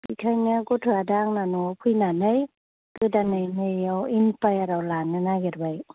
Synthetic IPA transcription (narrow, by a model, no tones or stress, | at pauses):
bikʰajnaɡɔtʰɾadaŋnanɔpʰujnanɯj | kɯdanɯjnɯjawinpajaɾawlanɯnaɡeɾbaj